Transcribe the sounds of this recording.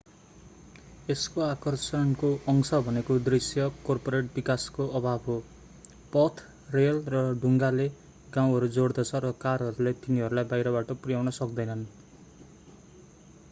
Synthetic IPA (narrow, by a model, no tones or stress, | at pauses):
eskoakʌrsʌnkoʌŋsʌbʱʌnekod̪risjʌkorpoɾeʈbikaskoʌbʱabʱɦo | pʌt̪ʰ | relrʌɖʱuŋɡale | ɡãw̃ɦʌɾud͡zoɽd̪ʌt͡sʰʌɾʌkarɦʌɾulet̪iniɦʌɾulajbajɾʌbaʈʌprijawnʌsʌk̚d̪ʌjnʌn